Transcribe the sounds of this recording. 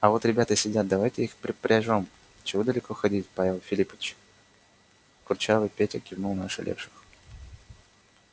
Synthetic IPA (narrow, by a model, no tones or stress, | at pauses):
ɐvo̞t̪ɾʲɪbʲat̪əsʲɪdʲat̪̚d̪ɐvajtʲɪixpɾʲɪpɾʲaʐom | t͡ɕɪvod̪əlʲɪko̞xɐdʲitʲpavʲɪlˠfʲɪlʲipət͡ɕ | kʊrt͡ɕavɨpʲetʲɪkʲɪvnulˠnaʂɨ̰lʲʔḛfʂɨ̥x